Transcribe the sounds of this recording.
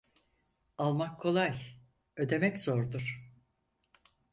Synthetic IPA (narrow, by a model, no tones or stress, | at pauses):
alˠmakʰːo̞lˠaj | ø̞d̪e̞mɛczoɾd̪uɾ̥